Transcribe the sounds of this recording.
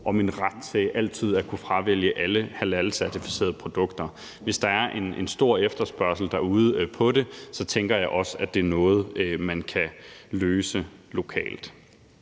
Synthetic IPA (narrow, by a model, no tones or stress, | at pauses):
ʔɒ̽minʁad̥t͡sʰeʔæl̰dt͡sʰið̞̰ˠæɐkʰufʁɑ̈ʋel̰jəʔæləhælæləsæɐt͡sʰifi̥se̝̰ɐðˠpʰʁo̝d̥ɔ̽ɡ̥d̥ɐ | ʋe̝sd̥ɑ̈æɐʔe̝ne̝nsd̥o̝ɐ̰efd̥ɐsb̥ɶɐ̰sl̩d̥æɐuːð̞̩ˠəpʰɒ̽de̝sɒ̽t͡sʰeŋɡ̥ɐjɑ̈ɪʔɒ̽səæd̥e̝æɐnɔ̽ːð̞̩ˠmænkʰæløːsəlo̝kʰɛ̰ːld̥